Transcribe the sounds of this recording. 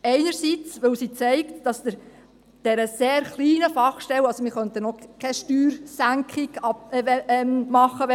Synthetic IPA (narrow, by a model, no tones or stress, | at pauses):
ɛɪnəɾsit͡sʋɵwsiːt͡sɛɪktd̥ɑsdɪɾ | d̥ɛɾəseːɾχliːnəfɑχʃtɛwɑlsomiχœnt̪ənokʰɛʃtyːɾsæŋkʰɪɡɑɛmmɑχːəʋɛ